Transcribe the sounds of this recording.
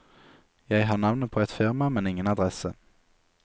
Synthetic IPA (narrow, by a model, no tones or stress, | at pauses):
jɛɪɦaɳavnət̪̚pʰɔɛt̪fɪɾmamɛnɪŋːənad̪ɾɛsə